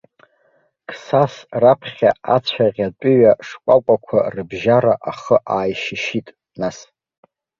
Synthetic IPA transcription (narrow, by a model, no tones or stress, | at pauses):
kʰsasrapʰχʲaat͡ɕʷʰaʁʲatʷʼʊɥaʂkʷʼakʷʼakʷʰarɨbʒaɾaʔaχəʔaːjʃɪʃitʼ | nas